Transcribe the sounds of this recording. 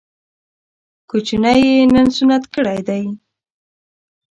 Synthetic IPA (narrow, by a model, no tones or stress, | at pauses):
kut͡ʃunajenənsunat̪kəɽajd̪aj